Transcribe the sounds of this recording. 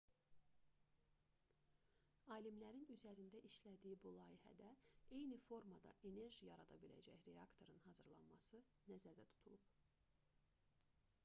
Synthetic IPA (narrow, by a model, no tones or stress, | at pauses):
ɑːlimlæɾinyzæɾind̪æʔiʃlæd̪iibulˠɑːihæ̰d̪æe̞jnifo̞ɾmɑd̪ɑ̰ʔe̞ne̞ɾʒijɑɾɑd̪ɑbilæ̰d͡ʒæçɾe̞ɑkt̪ʰo̞ɾɯnhɑzɯɾlˠɑ̰nmɑsɯ | næzæɾd̪æt̪ʰu̥t̪ʰulˠup